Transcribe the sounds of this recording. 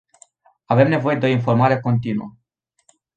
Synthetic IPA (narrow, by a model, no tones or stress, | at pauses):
ave̞mne̞vo̞jed̪eo̞info̞rmaɾe̞ko̞nt̪inuə